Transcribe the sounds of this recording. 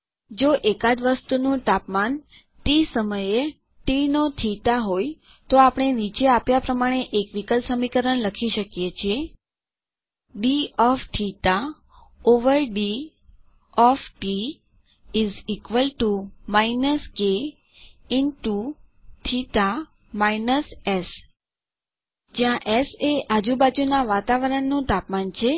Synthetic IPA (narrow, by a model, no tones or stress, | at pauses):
d͡ʒoʔekad͡ʒʋəst̪unũt̪apman | t̪isəməje | ʈinot̪ʰit̪aɦoj | t̪oapəɽ̃enit͡ʃeapjapɾəmaɽ̃eʔekʋikəlsəmikəɾəɳləkʰiʃəkjet͡ʃʰie | ɖiɔft̪ʰit̪a | oʋəɾɖi | ɔfʈi | izikʋəlʈumainəske | ɪnʈuʈʰit̪a | mainəses | d͡ʒjãʔeseʔad͡ʒubad͡ʒunaʋat̪aʋəɾəɳːũt̪apmant͡ʃʰe